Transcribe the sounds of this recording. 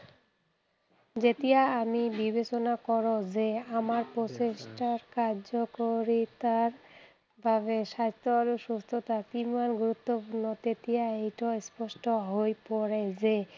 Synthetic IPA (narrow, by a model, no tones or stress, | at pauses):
d͡ʑet̪ijaamibibet͡ɕonakɔɾod͡ʑeamaɾpɾot͡ɕeʃʈaɾkaɾd͡ʑokoɾit̪aɾ | bʱabeʃad͡ʑt̪oaloʃust̪ʰot̪at̪imanɡuɾut̪ːopuɾnot̪et̪iaejʈaespɔʃʈoɦojpoɾed͡ʑe